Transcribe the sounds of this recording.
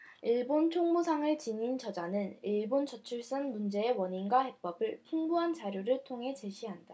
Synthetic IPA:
iɭbont͡ɕʰoŋmusʰaŋɯɭt͡ɕiɲint͡ɕʌd͡ʑanɯniɭbont͡ɕʌt͡ɕʰuɭs͈ɯnmund͡ʑe̞ewʌɲinɡwahe̞k̚p͈ʌbɯɭpʰuŋbuɦand͡ʑaɾjuɾɯɭtʰoŋɦe̞t͡ɕe̞ɕʰiɦanda

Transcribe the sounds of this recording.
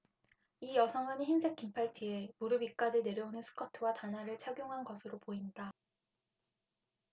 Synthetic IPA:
ijʌsʰʌŋɯnçinsʰe̞k͈impʰaɭtʰie̞muɾɯbik͈ad͡ʑine̞ɾjʌunɯnsʰɯ̥kʰʌtʰɯwatanɦaɾɯɭt͡ɕʰaɡjoŋɦanɡʌsʰɯɾopoinda

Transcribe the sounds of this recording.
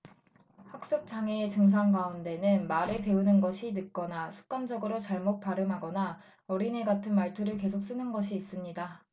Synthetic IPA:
hak̚s͈ɯk̚t͡ɕ͈aŋeːt͡ɕɯŋs̬ʰaŋɡaunde̞nɯnmaɾɯɭpe̞unɯnɡʌɕʰinɯk̚k͈ʌnasʰu̥k̚k͈and͡ʑʌɡɯɾot͡ɕaɭmot̚p͈aɾɯmɦaɡʌna | ʌɾine̞ɡatʰɯnmaɭtʰuɾɯɭke̞sʰok̚s͈ɯnɯnɡʌɕʰiːs͈ɯmɲida

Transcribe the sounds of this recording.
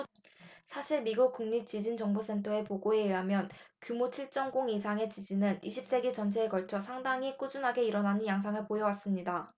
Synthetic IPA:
sʰaɕʰiɭmiɡuk̚k͈uŋɲit͡ɕid͡ʑint͡ɕʌŋbos͈ʰe̞ntʰʌe̞poɡoe̞ɦamjʌnkjumot͡ɕʰiɭt͡ɕ͈ʌŋɡoŋisʰaŋe̞t͡ɕid͡ʑinɯniɕʰip̚s͈e̞ɡit͡ɕʌnt͡ɕʰe̞ːkʌɭt͡ɕʰʌsʰaŋdaŋik͈ud͡ʑunɦaɡe̞iɾʌnanɯnjaŋsʰaŋɯɭpojʌwas͈ɯmɲida

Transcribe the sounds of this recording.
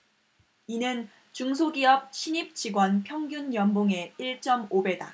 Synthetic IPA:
inɯn | t͡ɕuŋsʰoɡiʌp̚ɕʰiɲip̚t͡ɕiɡwʌnpʰjʌŋɡjunjʌmboŋe̞iɭt͡ɕ͈ʌmobe̞da̰

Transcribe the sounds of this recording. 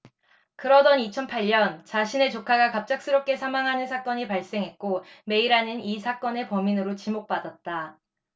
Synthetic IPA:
kɯɾʌdʌnit͡ɕʰʌnpʰaʎːʌnt͡ɕaɕʰine̞t͡ɕokʰaɡakap̚t͡ɕ͈ak̚s͈ɯɾʌp̚k͈e̞sʰamaŋɦanɯnsʰak͈ʌɲipaɭs͈e̞ŋɦe̞t̚k͈ome̞iɾanɯnisʰak͈ʌne̞pʌminɯɾot͡ɕimok̚p͈adat̚t͈a

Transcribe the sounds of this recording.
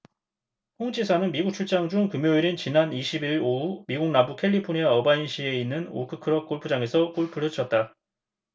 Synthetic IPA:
hoŋd͡ʑisʰanɯnmiɡuk̚t͡ɕʰuɭt͡ɕ͈aŋd͡ʑuŋkɯmjoiɾint͡ɕinaniɕʰibiɾoumiɡuŋ̚nabukʰe̞ʎːipʰoɲiaʌbainɕʰie̞inːɯno̰kʰɯkʰɯɾʌk͈oɭpʰɯd͡ʑaŋe̞sʰʌk͈oɭpʰɯɭɦɯt͡ɕʰʌt̚t͈a

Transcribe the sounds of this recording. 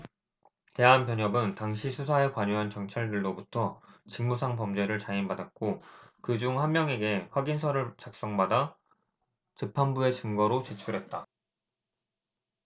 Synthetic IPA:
te̞ɦanpjʌɲʌbɯntaŋɕʰisʰusʰaekwaɲoɦankjʌŋt͡ɕʰaɭdɯɭːobutʰʌt͡ɕɯŋmusʰaŋpʌmd͡ʑe̞ɾɯɭt͡ɕainbadak͈okɯd͡ʑuŋhanmːjʌŋe̞ɡe̞ɸwaɡinsʰʌɾɯɭt͡ɕak̚s͈ʌŋbada | tɯpʰanbue̞t͡ɕɯŋɡʌɾot͡ɕe̞t͡ɕʰuɾɦe̞t̚t͈a

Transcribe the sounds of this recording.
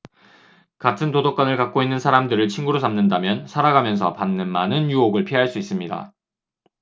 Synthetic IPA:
katʰɯntodok͈anɯɭkak͈̚oinːɯnsʰaɾamdɯɾɯɭt͡ɕʰinɡuɾosamnɯndamjʌnsʰaɾaɡamjʌnsʰʌ̰panːɯnmanɯnjuoɡɯɭpʰiɦaɭs͈uis͈ɯmɲida̰

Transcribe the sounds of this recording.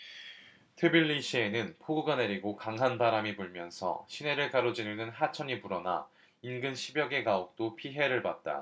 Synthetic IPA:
tʰɯbiɭːiɕʰie̞nɯnpʰoɡuɡane̞ɾiɡokaŋɦanbaɾamibuɭmjʌnsʰʌ̰ɕʰine̞ɾɯɭkaɾod͡ʑinunɯnɦat͡ɕʰʌɲipuɾʌna̰ | inɡɯnɕʰibjʌɡe̞kaok̚t͈opʰiɦe̞ɾɯɭpat̚t͈a̰

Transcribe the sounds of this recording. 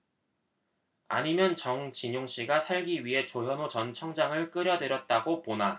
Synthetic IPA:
a̰ɲimjʌnt͡ɕʌŋt͡ɕiɲoŋɕ͈iɡasʰaɭɡiɥiɦe̞t͡ɕojʌnot͡ɕʌnt͡ɕʰʌŋd͡ʑaŋɯɭk͈ɯɾjʌdɯɾjʌt̚t͈aɡopona

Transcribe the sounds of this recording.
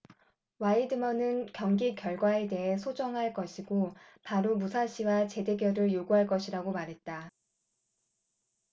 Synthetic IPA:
waidɯmʌnɯnkjʌŋɡikjʌɭɡwae̞de̞ɦesʰod͡ʑʌŋɦaɭk͈ʌɕʰiɡopaɾomusʰaɕʰiwat͡ɕe̞de̞ɡjʌɾɯɭjoɡuɦaɭk͈ʌɕʰiɾaɡomaɾɦe̞t̚t͈a

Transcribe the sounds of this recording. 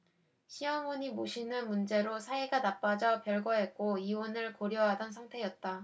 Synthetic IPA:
ɕʰijʌŋʌɲimoɕʰinɯnmund͡ʑe̞ɾosʰaeɡanap͈ad͡ʑʌpjʌɭɡwʌɦe̞t̚k͈oiwʌnɯɭkoɾjʌɦadʌnsʰaŋtʰe̞jʌt̚t͈a

